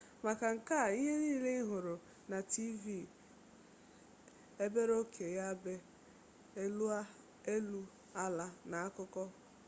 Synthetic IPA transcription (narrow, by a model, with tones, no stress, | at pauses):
ma˨ka˨ŋ̩˨ka˦˨i˦ɦe˦niː˦˨le˦i˦ɦʊ˨ɾʊ˨ | na˨ti˦vi˦˨ | e˦be˦ɾo˦kʰe˨ja˦be˦ | e˦lu˦ | a˦la˨na˨a˦kʊ˦kɔ˦